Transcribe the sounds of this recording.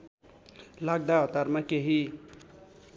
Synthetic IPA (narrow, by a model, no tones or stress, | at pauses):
laɡ̚d̪aɦʌt̪armakeɦi